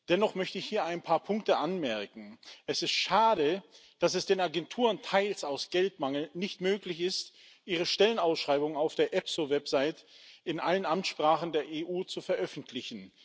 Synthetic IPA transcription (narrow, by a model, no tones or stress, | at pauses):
d̥ɛnɔχmœçtəɪçhiːɐaɪnpʰaːɐpʰʊŋk̚təʔanmɛɐkŋ̩ʔɛsɪstʃaːɾə | d̥asɛsd̥eːnaɡɛntʰuːʁəntʰaɪlsaʊsɡ̥ɛltmaŋl̩nɪçtmøːklɪçɪst | ʔiːʁ̞əʃtɛlənaʊsʃʁ̥aɪbʊŋənaʊfd̥eːɐʔɛpsovɛpz̥aɪtɪnʔalənʔamt͡sʃpʁ̥aːχn̩deːɐʔeːʔuːt͡sufɛɐʔœfn̩tʰlɪçn̩